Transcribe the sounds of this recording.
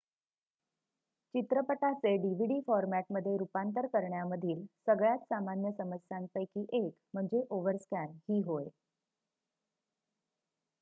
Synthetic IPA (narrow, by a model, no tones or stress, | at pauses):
t͡ɕit̪ɾəpəʈat͡seɖiʋ̤iɽiːfɔɾmæʈməd̪ʱːjeɾupant̪əɾkəɾɳjaməd̪ʱiːlsəɡɭjat̪samanjəsəməsjaŋpəjkiːʔekm̤əɳd͡zeʔoʋəɾskænhiːɦoje